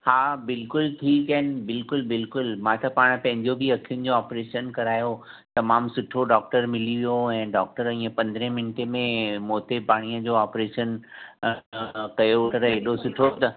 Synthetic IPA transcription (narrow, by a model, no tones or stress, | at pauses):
haːbɪlkʊlʈʰiːkɐɦnɪbɪlkʊlbɪlkʊlmãt̪ɐpaːɽ̃pɐ̃ɦɪ̃ɲd͡ʑobʱiɐkʰijʊnɪ̆d͡ʑoaːpɾeːʃənkɐɾaːjo | t̪ɐmaːmsʊʈʰoɖaɔːk̚ʈəɾmɪliʋijoɛ̃ːɖɔːk̚ʈəɾĩːə̃pɐ̃nd̪ɾẽmɪnʈemẽmoːt̪epaːɽ̃ijəd͡ʑoaːpɾeːʃən | kɐjot̪ɐɾɐɦeɗosʊʈʰot̪ɐ